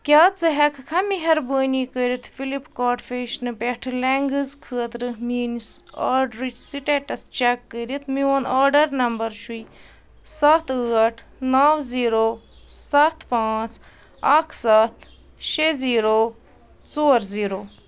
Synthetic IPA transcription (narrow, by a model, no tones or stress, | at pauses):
kʲaːt͡sɨɦɛkʰkʰɐmiɦɐɾbəːnikəɾit̪ʰfilipkaːʈfeʃnɨpɛʈʰɨlɛŋɡɨzkʰɨːɐt̪ɾɨmiːnisaːɾɖɾit͡ʃsiʈeʈɐst͡ʃɛkːəɾit̪mionaːɾɖɐɾnɐmbɐɾʃuj | sɐt̪ʰɨːʈʰ | naːwziːɾoː | sɐt̪ʰpaːt͡s | akʰsɐt̪ʰ | ʃeziːɾoː | t͡soːɾziːɾoː